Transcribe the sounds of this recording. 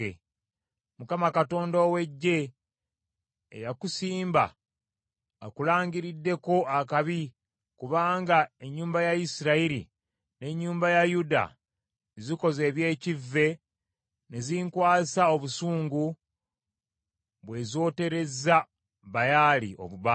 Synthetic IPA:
e | mukamakato̞ːndoːwe̞ɟːe̞ | jakusiːmba̰ | kulaːɲɟiɾidːe̞ko̞ʔakaβi | kuβaːŋɡae̞ɲːuːmbajaisiɾaiɾḭ | ne̞ɲːuːmbajajuda̰ | ziko̞ze̞ːβje̞ːcivːe̞ | neziŋkwaːsao̞βusuːŋɡu | βwe̞zo̞ːte̞ɾe̞zːa | βajalḭʔo̞̰βuβa

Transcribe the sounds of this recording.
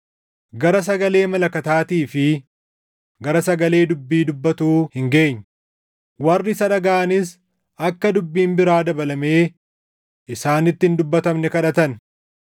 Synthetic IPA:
ɡɐɾɐs̬ɐɡɐle̞ːmɐlɐkɐt̪aːt̪iːfɪ | ɡɐɾɐsɐɡɐle̞ːd̪ʊbːiːd̪ʊbːɐt̪uːhɪŋɡe̞ːɲː | wɐrːɪsɐᶑɐɡaːʔɐnɪs | ɐkːɐd̪ʊbːiːmbɪɾaːd̪ɐbɐlɐme̞ː | ɪsaːnɪt̪ːɪɪnd̪ʊbːɐt̪ɐmnɛkɐᶑɐt̪ɐn

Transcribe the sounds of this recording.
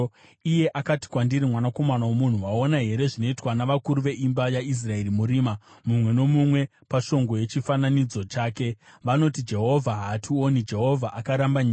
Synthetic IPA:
ije̞ʔakati̥kwandiɾimwanako̞manawomun̤uwao̞naɦe̞ɾe̞ʐino̞itwanaʋakuɾuʋe̞ʔimbajais̬rae̞rimuɾiːmamumwe̞no̞mumwe̞ | paʃo̞ŋɡo̞je̞t͡ʃifananid͡zo̞t͡ʃaːke̞ʋano̞tid͡ʒe̞ɦo̞vʱaɦationid͡ʒe̞ɦo̞vʱaʔakaɾambaɲiː

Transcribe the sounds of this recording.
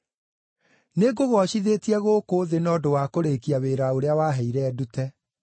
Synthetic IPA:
neɡoɣɔʃiðetiɛɣokoːðenɔdowakoɾeːkiaβeɾaoɾeawaːɦɛiɾɛːdutɛ

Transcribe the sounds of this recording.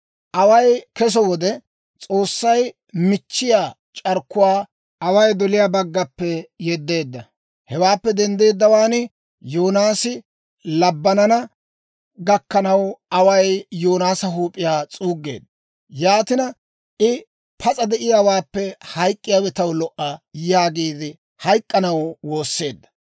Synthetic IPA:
ʔɐwɐjkɛs̬ɔwɔd̪ɛ | t͡sʼo̞ːsːɐj | mɪt͡ʃːɪjaː | t͡ʃʼɐɾkːʊwaː | ɐwɐjd̪ɔlɪjaːbɐɡːɐpːɛjɛd̪ːe̞ːd̪ːɐ | hɛwaːpːɛd̪ɛnd̪e̞ːd̪ːɐwaːnɪ | joːnaːsɪ | lɐbːɐnɐnɐ | ɡɐkːɐnɐwɐwɐjjoːnaːsɐɦuːpʼːɪjaːt͡sʼuːɡːe̞̰ːd̪ːɐ | jaːt̪ɪnɐ | ʔɪ | pʰɐt͡sʼɐd̪ɛʔɪjawaːpːɛhɐjkʼːɪjaːwɛt̪ɐwlɔʔɐjaːɡiːd̪ɪ | hɐjkʼːɐnɐwwo̞ːsːe̞ːd̪ːɐ̥

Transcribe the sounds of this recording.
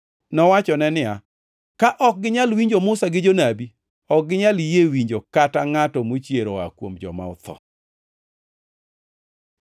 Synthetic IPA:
nɔwat͡ʃɔnɛnɪa | kaʔɔk̚ɡɪɲalwiɲd͡ʒomʊsaɡɪd͡ʒonabi | ɔk̚ɡɪɲaljewiɲd͡ʒokataŋatɔmot͡ʃjeɾoa̰kwomd͡ʒɔ̰ma̰ʊ̰t̪ɔ̰

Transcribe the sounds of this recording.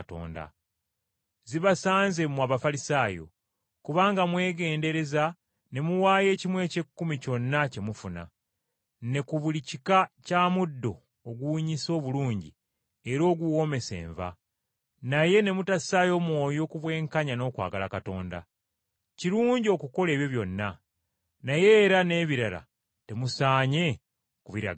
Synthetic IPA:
to̰ːnda̰ | ziβasaːnze̞muwaːβafalisaːjo̞̰ | kuβaːŋɡamwe̞ːɡe̞ːnde̞ɾe̞za | ne̞muwaːje̞ːcimwe̞ːce̞kːumico̞nːace̞mufuna̰ | ne̞kuβulicikacaːmudːo̞̰ː | ɡuɲiso̞ːβuluːɲɟḭ | e̞ɾo̞ːɡuwo̞me̞se̞̰ːɱva̰ | naje̞ne̞mutasaːjo̞ːmwo̞ːjo̞ːkuβwe̞ːŋkaɲano̞ːkwa̰ːɡalakato̞ːnda̰ | ciɾuːɲɟio̞kuko̞le̞ːβjo̞βjo̞nːa | naje̞ːɾane̞ːβiɾala̰ | te̞musaːɲe̞ | kuβiɾa̰ɡ

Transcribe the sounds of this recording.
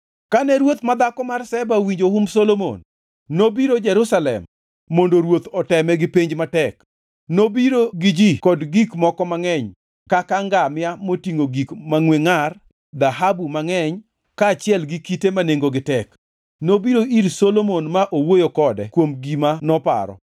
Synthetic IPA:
kanɛɾwot̪mad̪akɔmarsɛbawiɲd͡ʒoɦumsolomo̰nː | obiɾod͡ʒɛɾusalɛ̰mː | ondoɾwot̪ɔtɛmɛɡɪpeɲd͡ʒmatɛk | nobiɾoɡɪd͡ʒikɔdɡikmɔkɔmaŋɛɲ | kakaŋɡamɪamotiŋoɡikmaŋweŋar | d̪aɦabumaŋɛɲ | kaːt͡ʃɪɛlɡikitemaneŋɡoɡɪtɛk | nobiɾoiɾsolomonmaʔowojokɔdɛkwomɡimanɔpa̰ɾɔ̰

